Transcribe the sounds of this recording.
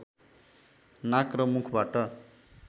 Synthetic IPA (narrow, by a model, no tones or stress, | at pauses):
nakrʌmukʰbaʈʌ